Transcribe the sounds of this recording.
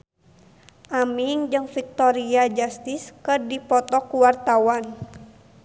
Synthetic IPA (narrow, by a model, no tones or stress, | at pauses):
ʔamiŋd͡ʒɨŋfik̚t̪ɔɾiad͡ʒast̪iskɨrdipɔt̪ɔkuwart̪awan